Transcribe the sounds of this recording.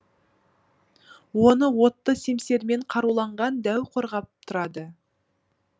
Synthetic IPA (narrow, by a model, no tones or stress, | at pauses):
wo̞nəwo̞t̪ːəse̞mse̞ɾme̞ɴqʰɑɾulˠɑɴʁɑnd̪æwqʰo̞ɾʁɑp̚t̪ʰʊɾɑd̪ə